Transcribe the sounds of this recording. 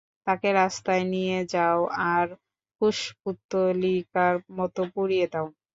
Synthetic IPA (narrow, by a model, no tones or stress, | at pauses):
t̪akeɾast̪aenijed͡ʑaoaɾ | kuʃput̪ːolikaɾmɔt̪opuɾijed̪ao